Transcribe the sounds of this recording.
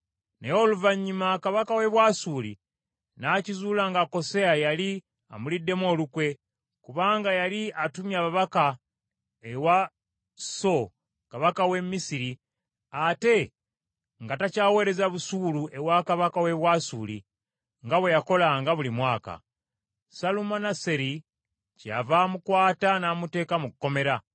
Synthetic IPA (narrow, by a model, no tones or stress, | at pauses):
nḛjoluvaɲːumakaβakawe̞βwaːsuːlḭ | nacizuːlaŋɡako̞seajali | amulidːe̞mo̞ːlukwe̞ | kuβaːŋɡajaliatumjaβaβaka | ewa | so̞ | kaβakawe̞mːisiɾi | ate̞ | ŋɡatacaːwe̞ːɾe̞zaβusuːlue̞wakaβakawe̞βwaːsuːlḭ | ŋɡaβwe̞jako̞laŋɡaβulimwaːka̰ | salumanase̞ɾi | ca̰vamukwaːtanaːmute̞ːkamukukːo̞me̞ɾa